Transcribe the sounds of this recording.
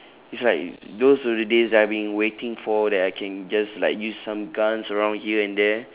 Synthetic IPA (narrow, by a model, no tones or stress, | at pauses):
itslaɪk̚dosɔdədezdɛtabĩŋwetɪ̃ŋfɔdɛtaɪkʰɛ̃nd͡ʒaslaɪkjussãmɡãnsəɹãʊ̃ndhiəɛ̃ndɛ